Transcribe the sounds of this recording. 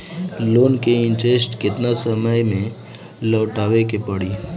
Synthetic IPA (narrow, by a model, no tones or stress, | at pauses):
loːnkeɪ̃nʈesʈkɪt̪nasəməjmẽ | lɔːʈaːʋekepəɽiː